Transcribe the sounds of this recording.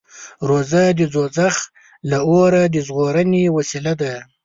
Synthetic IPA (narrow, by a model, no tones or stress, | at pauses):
ɾozad̪id͡zozax | laoɾad̪əzɣoɾanewasilad̪a